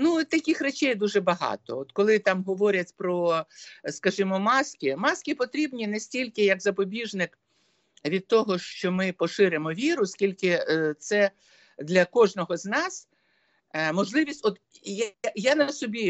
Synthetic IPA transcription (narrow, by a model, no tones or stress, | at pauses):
nut̪ɐkʲɪxret͡ʃɛjd̪uʒɛbɐɦɑ̰t̪ɔ̰ɔt̪kɔlˠɪt̪ɑmɦɔʋɔɾʲɐtʲpɾɔ | skɐʒɪmɔmɑskʲɪmɑskʲɪpɔt̪ɾʲibnʲinɛsʲtʲilʲkɪjɐkzɐpɔbʲiʒnɪk | ʋʲid̪̚t̪ɔɦɔʃt͡ʃɔmɪpɔʃɪɾemɔʋʲiɾʊsʲkʲilʲkɪt̪sɛ | d̪lʲɐkɔʒnɔɦɔznɑs | mɔʒlˠɪʋʲisʲtʲɔt̪ | jajanɐsɔbʲi